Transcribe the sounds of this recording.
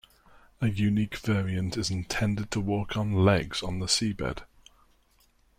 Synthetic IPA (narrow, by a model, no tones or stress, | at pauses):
əjʉniˑkv̥ɛːɹiə̃ntɪzɪ̃ntʰɛ̃ndɪd̚tʰəwɔˑkʰn̩lɛɡz̥n̩ðəsiːbɛ̰d̥